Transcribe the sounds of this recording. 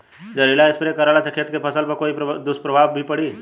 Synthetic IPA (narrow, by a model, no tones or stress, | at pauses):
d͡ʒəɾilaɪspɾekəɾaːlasɐkʰət̪kepʰəsəlpɐkoːid̪ʊspɾɐbʱaːbbʱipɐɽ̤iː